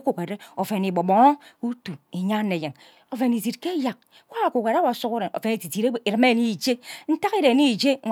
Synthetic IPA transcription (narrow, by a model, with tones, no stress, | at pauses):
ko˨kʷe˨ɾe˦o˨fe˨ni˨bo˨bo˨ŋo˦u˦tu˨i˨ɲa˦nːe˨je˨ŋ | o˨fe˨ni˨t̬i˨tke˦ja˨k̚ | kʷwa˦˨ko˨kʷe˨ɾa˦wa˨˦su˦ku˦ɾe˨no̰˨fe˨ni˨ti˨ti˨ɾe˦˨i˨ɾi˨me˦˨ni˦˨d͡ʒe˦n̩˦ta˦ki˦ɾe˨ni˦˨d͡ʒe˦˨